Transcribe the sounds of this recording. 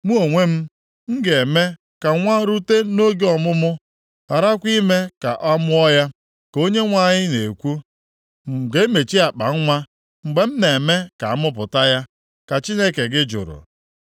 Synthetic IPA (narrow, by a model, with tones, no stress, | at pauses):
mu˦o˨ŋʷe˦m̩˦ | ŋ̩˦ɡe˨me˦ | ka˨ŋʷa˦ɾu˦te˦no˦ɡe˦ɔ˨mʊ˦mʊ˦ | a˨ɾa˦kʷi˦me˦ka̰˨ʔɔ˦mʊ˦ɔ˦ja˦ | ko˦ɲe˦ŋʷa˦˨ɲɪ˦ne˨kʷu˦˨ | ɡe˨˦me˨t͡ʃi˦a˨k͡pa̰˨ŋ̩˦ŋʷa˦ | ŋ͡m̩˨ɡ͡be˨m̩˦ne˨e˨me˦ka˨a˦mʊ˦p̬ʊ˨ta˦ja˦ | ka˨t͡ʃi˦ne˦ke˨ɡɪ˦d͡ʒʊ̰˨ɾʊ̰˨